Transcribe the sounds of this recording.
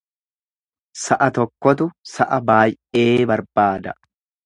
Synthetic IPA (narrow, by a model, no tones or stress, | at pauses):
sɐʔɐt̪ɔkːɔt̪̬ʊsɐʔɐbaːj | e̞ːbɐɾbaːd̪ɐ